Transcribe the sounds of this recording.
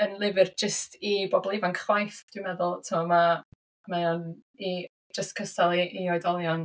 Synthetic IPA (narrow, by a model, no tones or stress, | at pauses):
ənlˠɪvɪrd͡ʒəstʰibɔbɔlˠɪvankʰχwajθd̥wɨmɛðʊlˠtʰəmɔma | majɔni | d͡ʒəstkʰəstalˠiʔːɔɨdɔlˠjɔn